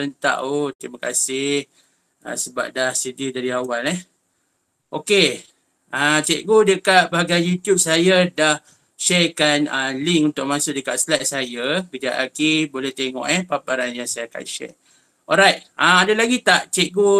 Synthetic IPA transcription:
ɾənt̪a̰ʔot̪ɾimakasɪh | ã̰səba̰p̚dahsədidaɾiawalɛh | ʔoke | ʔat͡ʃɛʔ̚ɡodəkaʔ̚baɦaɡajjut̪jub̚sajadah | ʃɛkanaliŋkunt̪ʊʔ̚mãsʊʔ̚dəkaʔslat̪̚sajabid͡ʒaʔakibolɛht̪eŋɔ̰ʔɛhpapaɾanjaŋsajaka̰ʃɛ̰ʔ | ɔlɾajt̪̚aadalaɡit̪aʔt͡ʃɛʔ̚ɡo

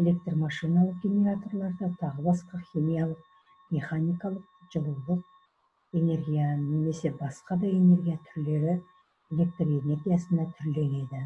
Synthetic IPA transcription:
e̞lʲe̞k̚t̪romɑʃijnɑlˠəq̚ɡʲenʲe̞ɾat̪o̞rlˠɑɾd̪ɑt̪ʰɑʁəbɑsqɑχʲimijalˠəq̚ | mʲe̞χanijkɑlˠəq̚ʒəlˠəwd̪əq̚ | e̞ne̞ɾɡʲijane̞me̞se̞bɑsqɑd̪ɑje̞ne̞ɾɡʲijat̪ʰʏɾle̞ɾɪ | e̞le̞k̚t̪roe̞ne̞ɾɡʲijasənd̪ɑt̪ʰʏɾle̞ne̞d̪ɪ

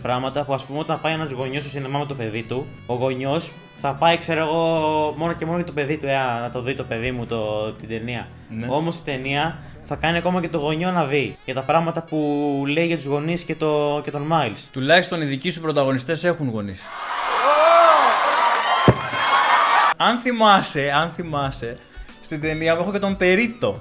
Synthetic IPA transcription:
pɾɐɣmɐt̪ɐpuɐspumeo̞t̪ɐnpɐjenɐuzɣo̞ɲososinemɐmet̪ope̞ðit̪u | oɣo̞ɲo̞s | θɐpɐikse̞ɾoeɣo̞mo̞no̞ce̞mo̞noʝɐt̪ope̞ðit̪ue̞ɐnɐt̪o̞ðit̪o̞pe̞ðimut̪ot̪id̪e̞niɐ | no̞mo̞st̪i̥t̪e̞niɐ | θɐkɐniɐko̞mɐce̞t̪o̞ɣo̞ɲo̞nɐðiʝɐt̪ɐpɾɐɣmɐt̪ɐpule̞iʝɐt̪uzɣo̞nisce̞t̪o̞ce̞t̪o̞nmɐjlst̪ulɐçist̪oniðicisupɾo̞t̪ɐɣo̞nist̪e̞se̞xunɣo̞nis | ɐnθimɐseɐnθimɐse̞ | st̪id̪e̞niɐmuexocet̪o̞mpe̞ɾit̪o̞

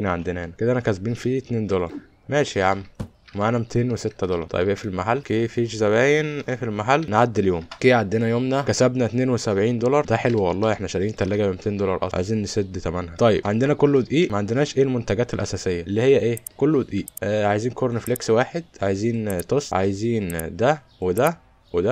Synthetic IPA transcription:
næʕand̪enæanæked̪æʔænækæsbiːnfiːt̪neːnd̪olɑɾˤ | mæːʃiʕamː | wemaʕaːnæmet̪ʰeːnweset̪ːæd̪olɑ̰ɾt̪ˤɑ̰jebʔeːfilmaħalːkeːfiːʃzæβæːjenʔeːfilmaħalːnʕad̪ːeljoːmkeːʕad̪ːenæjoːmnækæsæbnæt̪neːnwesæbʕiːnd̪olɑɾˤd̪æħelwiwɑlˤːɑːʔeħnæʃæɾʔiːnt̪ælːæɡæbemet̪eːnd̪olɑɾˤʔɑ̰ʕ̰a̰jziːnːesed̪ːt̪æmænhæt̪ˤɑjːḛbʕand̪enækolːowed̪ʔiːʔmæʕand̪enæːʃʔeːlmont̪æɡæːt̪elʔæsæːsejːæʔelːiːhejːæʔeːkolːwed̪ʔiːʔʕajeziːnkoɾneflekswaːħed̪̚ʕajziːnt̪osʕa̰jeziːnd̪æ | wed̪æ | wed̪æ

